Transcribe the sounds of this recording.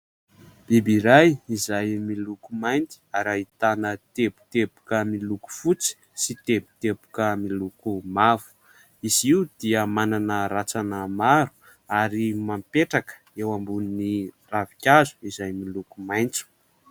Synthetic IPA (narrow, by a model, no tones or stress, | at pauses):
b̥ibiɾajizajmilukumajnt̪i̥aɾait̪anət̪epu̥t̪epu̥kəmiluku̥fut͡si̥ | sit̪epu̥t̪epu̥kəmilukumavu̥ | iziud̪̥iəmananəɾat͡sanəmaɾu̥ | aɾimampeʈ͡ʂakə̥ewambunini | ravikʲazu̥izajmilukumajnt͡su̥